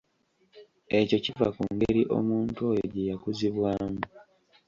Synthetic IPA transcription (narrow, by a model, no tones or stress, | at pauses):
e̞co̞civa̰kuŋɡeɾiʔo̞̰muːntuo̞joɟe̞jakuziβwaːmu